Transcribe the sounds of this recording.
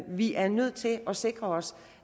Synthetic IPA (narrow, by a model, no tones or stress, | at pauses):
ʋiʔæɐnøð̞̰ˠt͡sʰe̝lʔɒ̽se̝ɡ̥ʁɐɒ̽s